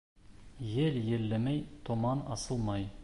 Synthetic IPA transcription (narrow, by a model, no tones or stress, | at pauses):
jɘljɘ̆lːɘmæjt̪ŏmɑnɑsɤ̆lˠmɑj